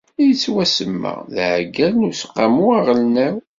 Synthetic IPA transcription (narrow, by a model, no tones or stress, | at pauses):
ijət͡sːwæsəmːə̰ʁðʕɡælnusqːamuaʁəlnæw